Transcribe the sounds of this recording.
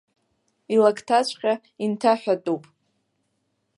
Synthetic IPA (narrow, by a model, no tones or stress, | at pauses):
ilakʰtʰat͡ʃʷʰʼqʲa | intʰaħʷᶣatʼupʼ